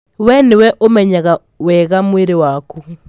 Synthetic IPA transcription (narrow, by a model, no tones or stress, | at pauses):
wɛnewɛʔomɛɲaɣa | wɛɣamweɾewaku